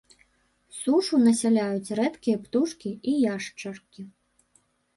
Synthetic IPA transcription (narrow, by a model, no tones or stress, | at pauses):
suʂunɐsʲalʲajut͡sʲrɛt̪kʲijɐpt̪uʂkʲiijaʂt͡ʂɐrkʲi